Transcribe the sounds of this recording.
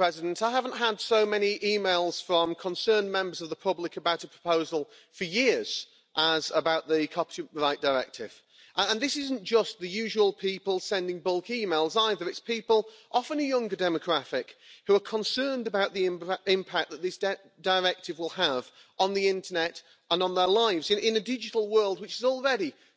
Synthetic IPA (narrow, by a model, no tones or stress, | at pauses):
ɹ̥ɛzɪdə̃n̩taɪɦavə̃n̩ʔɦədsoʊmɛniʔiːmeɪlˠz̥fɹʌ̃mkʰə̃nsɜ̃˞nmɛ̃mbə˞zʌvðəpʰʊblɪkəbaʊɾəpʰɹ̥ə̥pʰoʊzəl̩ˠ | fəjɪɹz̥ | ʔəzəbaʊʔ̪̚ðɨkʰɑptə̃ɹaɪʔ̚d̥əɹɛ̰k̚tʰɪv̥ | ʔəə̃nðɪsɪzn̩d̥ʒ̥ʌsðɨjʉʒəwəlˠpʰipəlˠsɛ̃ndɪ̃ŋbʊlˠkiːmeɪlˠzaɪðə˞ɨtspʰiˑpəlˠʔɑfə̃nəjʌ̃ŋɡədɛməɡʰɹ̥æɾɪkhuə˞kʰə̃nsɜ̃˞ndəbaʊʔ̪̚ðiɪ̃ɪ̃mpʰak̚ðət̪̚ðɪsd̥ | d̥əɹɛk̚tɨvwɪlˠəv | ə̃nðiɪ̃ntənɛt | ə̃nə̃nðə˞laɪvzɨ̃nʔɪ̃nɨdɪd͡ʒɨɾl̩ˠwɜ˞lˠd̚wɨt͡ʃɪzɔl̩ˠɹɛɾi